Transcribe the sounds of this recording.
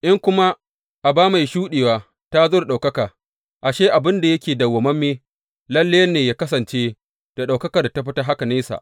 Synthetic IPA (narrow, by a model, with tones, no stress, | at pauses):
ʔɪ˦ŋkʷʊ˦ma˦ | ʔa˨baː˦ma˨jʃuː˦ɗeː˨waː˦ | ta˦zoː˦da˨ɗa˨kɐ˦kaː˨ | ʔa˨ʃeː˦ʔa˨bɪ˦nda˨jɐ˦kʲeː˨dɐ˨wːɐ˨mɐ˦mːeː˦ | lɐ˦lːeː˦nːeː˨jaː˦kɐ˦s̬ɐ˨nt͡ʃeː˦ | d̥a˨ɗa˨wkɐ˦kɐ˨rda˨ta˦ɸɪ˦ta˦ɦa˦ka˨neː˦sa̰˨ʔ